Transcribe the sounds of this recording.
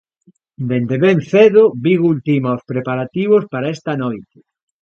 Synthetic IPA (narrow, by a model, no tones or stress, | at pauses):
d̪end̪eβenθeðobiɣult̪imaospɾepaɾat̪iβ̞ospaɾaɛst̪anojt̪e̥